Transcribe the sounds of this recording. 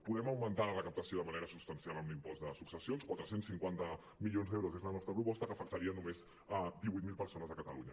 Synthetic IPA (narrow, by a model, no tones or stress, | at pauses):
puðɛməwmənt̪aələkəp̚t̪əsioðəməneɾəsupst̪ənsialəmlimpɔzd̪əsuksəsionskwat̪ɾəsensiŋkwant̪ə | milionzd̪ɛwɾosezlənɔst̪ɾəpɾupɔst̪əkəfək̚t̪əɾiənumez | d̪iβujt̪̚milˠpəɾsonəzðəkət̪əlṵɲə̰